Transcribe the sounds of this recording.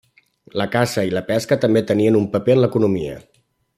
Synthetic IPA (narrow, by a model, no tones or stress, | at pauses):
ləkasəiləpɛskət̪əmbet̪əniənumpəpeənləkunumiə̰